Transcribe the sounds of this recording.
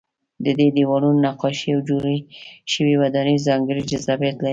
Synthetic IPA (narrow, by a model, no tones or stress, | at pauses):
d̪əd̪ed̪ewɑɽunnːaqɑʃiawd͡ʒoɾiʃəwiwad̪ɑnizɑŋɡəɾid͡ʒazɑbjat̪la